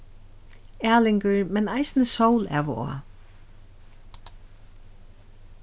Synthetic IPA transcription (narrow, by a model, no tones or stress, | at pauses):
æːlɪŋkəɹmɛnajsnəsowlɛ̰ʋ̰ɔ̰a̰